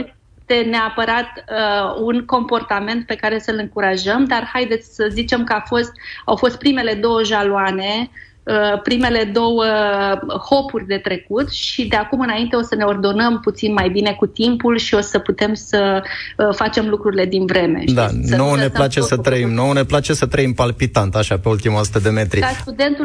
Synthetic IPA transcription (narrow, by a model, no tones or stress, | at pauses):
e | t̪e̞neapəɾat̪əunko̞mpo̞rt̪ame̞nt̪̚pe̞kaɾe̞səlɨŋkuɾaʒəmd̪arhajd̪e̞t̪sʲsəzit͡ʃe̞mkəafo̞st̪awfo̞st̪̚pɾime̞le̞d̪o̞wəʒaloane̞ | əpɾime̞le̞d̪o̞wə | ho̞purʲd̪e̞t̪ɾe̞kut̪ʃid̪e̞akumɨnaint̪e̞o̞səne̞o̞rd̪o̞nəmput̪sinmajbine̞kut̪impulʃio̞səput̪e̞msə | fat͡ʃe̞mlukɾuɾile̞d̪invɾe̞me̞̰ʃd̪aasnoneplat͡ʃesət̪ɾəimnone̞plat͡ʃesət̪ɾəimpalpit̪ant̪aʃapeult̪imasut̪əd̪e̞me̞t̪ɾist̪ud̪e̞nt̪u